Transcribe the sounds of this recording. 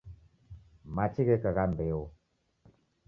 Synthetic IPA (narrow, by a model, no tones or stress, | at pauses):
mat͡ʃiɣekaɣambeo